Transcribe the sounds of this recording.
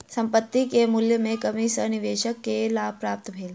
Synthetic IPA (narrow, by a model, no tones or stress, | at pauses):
səmpət̪ːikemuljəmekəmisəniʋeːɕəkːelapɾap̚t̪bʱel